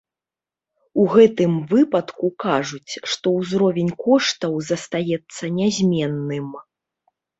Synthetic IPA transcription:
uɣɛt̪ɨmvɨpɐt̪kukaʐut͡sʲʂt̪ɔwzɾɔvʲɛnʲkɔʂt̪ɐwzɐst̪ajɛt̪sːɐnʲazʲmʲɛnːɨm

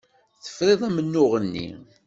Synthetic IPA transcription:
θə̥fɾˤeðˤæmənːʊʁənːḭ

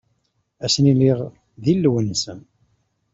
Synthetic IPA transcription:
æsniliʁ | ðilːwənsən

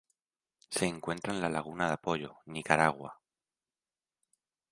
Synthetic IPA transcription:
se̞ːŋkwe̞nt̪ɾaenlalaɣ̞unaðapo̞ʎo̞̰nikaɾaɣwa

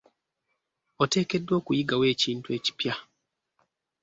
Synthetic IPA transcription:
ote̞ːke̞dːwo̞ːkujiɡawe̞ːciːntue̞ːci̥pja

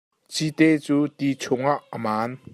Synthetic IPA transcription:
t͡sit̪et͡suːt̪it͡sʰʊŋaʔəmaːn

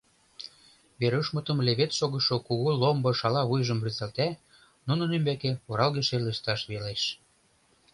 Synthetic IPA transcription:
βeɾuʃmə̆t̪ə̆mleβet̪ʃoɣə̆ʃŏkuɣulombɤ̆ʃɑlɑβujʒə̆mbryzælt̪æ | nunə̆nymbækeoɾɑlɣeʃeleʃt̪ɑʃβeleʃ

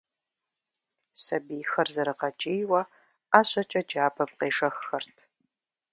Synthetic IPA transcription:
sɐbiːxɐrzɐɾɨqɐt͡ʃʼejwɐ | aːɕʼɐt͡ʃʼɐd͡ʒaːbʰɐp̚qeːʂɐxːɐrtʰ

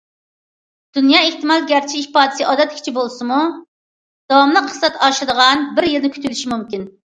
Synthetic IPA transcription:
d̪̥unjɑeht̪ɨmɑlˠɡʲæɾt͡ʃʰɪʃihpɑːd̪ɪsɨʔɑːd̪ɛt̪kʲʰi̥t͡ʃʰibolˠsɨmu | d̪̥ɑwɑmlˠəqʰːə̥sɛt̪ʰɑʃɪd̪əʁɑnbɪɾjɪlnɪkʲʰy̥t̪ʰylyʃimumkʲin

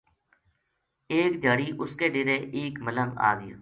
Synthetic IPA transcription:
eːkd͡ʒ̪ʱaːɽiːʔʊskeːɖɪɾeːʔeːkmələŋɡa̰ːɡəjo̰ː

